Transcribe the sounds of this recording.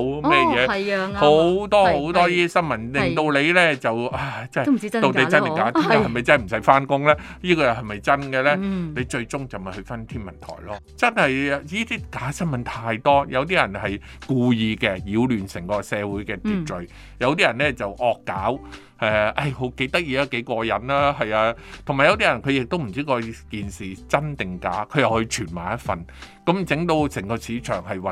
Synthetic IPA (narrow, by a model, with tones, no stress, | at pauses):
wɛː˥jjɛː˨˧hho˨˥wt̪ɔː˥ho˨˥wt̪ɔː˥jiː˥t̪i˥sɐ˥nmɐ˨˥nlɪ˨ŋt̪o˧wle˨˧jlɛː˥˩t͡sɐ˨waː˧˩t͡sɐ˥˨i˥t̪o˨w̪e˨˧˨t͡sɐ˥ne˨˩kaː˨˥tʰːnka˨hɐ˨jmɐ˨jt͡sɐ˥nhjm̩˨˩sɐ˨˥jfaː˥nkʊ˥ŋlɛː˥jiː˥kɔː˧jɐ˨˩hɐ˨jmɐ˨jt͡sɐ˥nkɛ˧lɛː˥ne˨˧jt͡ʃɵ˧ɥt͡sʊ˥ŋt͡sɐ˨wmɐ˨jhɵ˧ɥfɐ˥nt̪ʰiː˥nmɐ˨˩nt̪ʰɔ̰ː˨˩jlɔː˥ | t͡sɐ˥nhɐ˨jjiː˥t̪iː˥kaː˨˥sɐ˥nmɐ˨˥nt̪ʰaː˧jt̪ɔː˥jʔɐ˨˧wt̪iː˥jɐ˨˩nhɐ˨j | kuː˧jiː˧kɛː˧jiː˨˧wlyː˨˩nsɪ˨˩ŋkɔː˧sɛː˨˧wuː˨˥jkɛː˧t̪iː˨˩t͡sɵ˨ɥ | jɐ˨˧wt̪iː˥jɐ˨˩nlɛː˥t͡sɐ˨wʔɔː˧kːaː˨˥w | ɛː˨˧ʔɐ˥jho˨˥wke˧˥jt̪ɐ˥k̚jiː˧aː˧ke˨˥jkɔː˧jɐ˨nlaː˥ɦɐ˨jaː˧t̪ʰʊ˨˩ŋmaː˨˩jɐ˧wt̪iː˥jɐ˨˩nkʰɵ˨˧jɪ˨k̚t̪o˥wm̩˨˩t͡siː˥kɔː˧kiː˨nsiː˨˩t͡sɐ˥nt̪ɪ˨ŋkaː˨˥kʰɵ˨˧ɥjɐ˨whɵ˧t͡ʃʰyː˨˩nmaː˨˩jɐ˥t̚fɐ˨n | kɐ˨˥mt͡sɪ˨˥ŋt̪o˧wsɪ˨˩ŋkɔː˧siː˨˥t͡ʃʰœː˨˩ŋɦɐ˨jwɐ˨˩